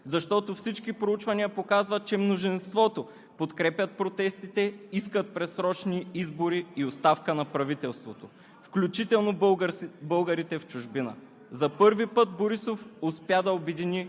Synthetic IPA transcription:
zɐʃt̪ɔt̪ofsit͡ʃkipɾout͡ʃvɐniəpokazvɐt̪̚t͡ʃɛmnoʒinst̪vɔt̪o | pot̪kɾɛpjɐt̪̚pɾot̪ɛst̪it̪ɛiskət̪̚pɾɛt̪sɾɔt͡ʃniizboɾiːost̪afkənɐpɾɐvit̪ɛlˠst̪vot̪o | fklʲut͡ʃit̪ɛlˠnobɤlˠɡəɾit̪ɛft͡ʃʊʒbinə̰ | zɐpɤɾvipɤt̪boɾisofʊspjad̪ɐobɛd̪ini

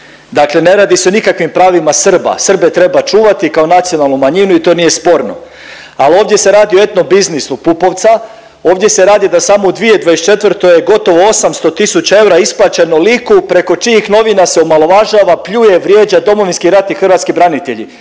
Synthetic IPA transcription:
d̪akle̞ne̞ɾaːd̪iseonikakʋimpɾaːʋimasr̩ba̰sr̩be̞t̪ɾe̞bat͡ʃuːʋat̪ikaonat̪sijo̞nalˠnumaɲinuit̪o̞ːnije̞spo̞ɾno̞̰ | alioːʋd̪je̞se̞ɾaːd̪ioe̞t̪nobiznisupupo̞ʋt̪sa | o̞ːʋd̪je̞se̞ɾaːd̪jed̪asaːmo̞ud̪ʋie̞d̪ʋajest͡ʃe̞t̪ʋrt̪o̞jeɡo̞t̪o̞ʋoosamst̪o̞t̪isut͡ɕae̞wɾaisplˠat͡ɕenolikupɾe̞ko̞t͡ʃiixno̞ʋinaseomalo̞ʋaʒaʋapʎuje̞ʋɾjeːd͡ʑad̪o̞mo̞ʋinskiɾat̪ixr̩ʋat̪skibɾanit̪e̞ʎḭ

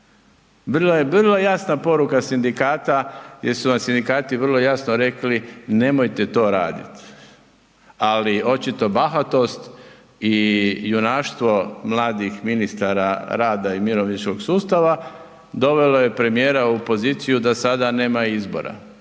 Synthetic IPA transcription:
ʋr̩loje̞ʋr̩lˠojasnapo̞ɾukasind̪ikaːt̪ajeɾsuʋamsind̪ikaːt̪iʋərlˠo̞jasnoɾe̞kline̞mo̞jt̪e̞t̪o̞ːɾaːd̪ḭt̪ | alio̞t͡ʃit̪o̞baxat̪o̞st̪ | ijunaːʃt̪ʋo̞mlˠaːd̪ixminist̪aɾaɾaːd̪aimiɾoʋnit͡ʃko̞ɡsuːst̪aʋa | d̪o̞ʋe̞loje̞pɾe̞mije̞ːɾaupo̞ziːt̪sijud̪asad̪ane̞ːmaizbo̞̰ɾa̰

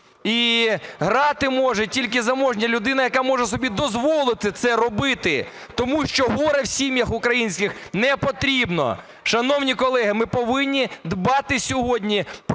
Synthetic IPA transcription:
iɦɾɑt̪ɪmɔʒɛtʲilʲkɪzɐmɔʒnʲɐlʲʊd̪ɪnɐjɐkamɔʒɛsɔbʲid̪ɔzʋɔlˠɪt̪ɪt̪sɛɾɔbɪt̪ɪ | t̪ɔmuʃt͡ʃɔɦɔɾɐwsʲimʲjɐxʊkɾɐjinʲsʲkʲɪxnɛpɔt̪ɾʲibnɔ̰ | ʃɐnɔwnʲikɔlˠɛɦɪmɪpɔʋɪnʲːid̪bɑt̪ɪsʲɔɦɔdʲnʲip

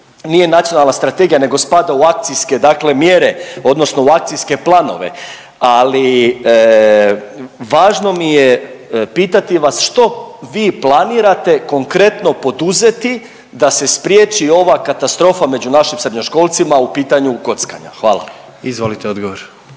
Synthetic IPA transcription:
nijenat̪sijo̞nalnast̪ɾat̪eɡijane̞ɡo̞spad̪auak̚t̪sijske̞d̪akle̞mje̞ɾe̞od̪no̞sno̞uakt̪sijske̞plˠano̞̰ʋe̞̰ | ali | ʋaːʒno̞mijepiːt̪at̪iʋasʃt̪o̞ʋiːplˠaniːɾat̪e̞ko̞ŋkɾe̞t̪no̞po̞d̪uze̞t̪i | d̪ase̞spɾjeːt͡ʃio̞ʋakat̪ast̪ɾo̞ːfame̞d͡ʑunaʃimsɾedɲo̞ʃko̞lˠt̪simaupiːt̪aɲuko̞t̪ska̰ɲa̰xʋa̰ːlˠa̰ | izʋolit̪eod̪ɡoʋoɾ

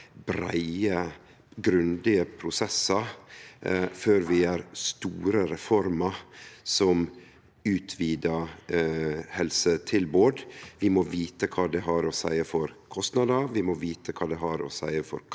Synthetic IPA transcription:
bɾæ̰ɪə | ɡɾʉnd̪ɪəpʰɾʊsɛsːɑ | føːɾʋɪæɾst̪uːɾəɾɛfɔɾmɑsɔm | ʉːt̪ʰʋiːd̪ə | hɛlsət̪ʰɪlboːɖʋɪmoːʋiːt̪əkʰɑːd̪ɛɦɑɾosæɪəfɔɾkʰɔst̪nɑd̪ɑʋɪmoːʋiːt̪əkʰɑːd̪ɛɦɑɾo̰ːsæ̰ɪəfɔ̰ɾ

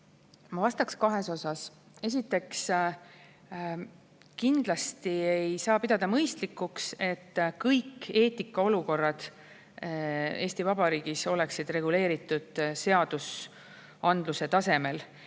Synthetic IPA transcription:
mɑvɑst̪ɑkskɑɦe̞so̞sɑs | e̞s̬it̪ːˑe̞ks | kind̪̥lɑst̪ie̞jsɑːpid̪̥ɑd̪̥ɑmɤjst̪likːˑukse̞t̪ːkɤjke̞ːt̪ːikːˑɑo̞luko̞rːɑd̪̥ | e̞ːst̪ivɑb̥ɑɾiːɡ̥iso̞le̞ksid̪̥re̞ɡ̥ule̞ːɾit̪ːˑud̪̥se̞ɑd̪̥us | ɑnd̪̥luse̞t̪ɑse̞me̞l

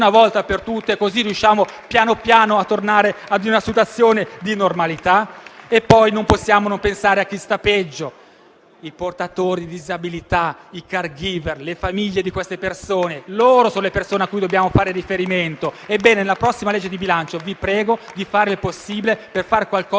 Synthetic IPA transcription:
navɔlt̪apert̪ut̪ːekozirijuʃːaːmopjaːnopjaːnoat̪ːornaːɾead̪unasit̪̬wat̪sːjoːned̪inormalit̪aepːɔjnomposːjaːmonompensaːɾeak̟ːist̪apɛd͡ʒːo | iport̪at̪oːɾid̪id̪izabilit̪aikarɡiːverlefamiʎːed̪ikwest̪epersoːneloːɾosoːnolepersoːneakːujd̪objaːmofaːɾeɾifeɾiment̪oebːɛːnenelapɾɔsːimalɛd͡ʒːed̪ibilant͡ʃovipɾɛːɡod̪ifaːɾilposːiːbileperfaɾkwalkɔː

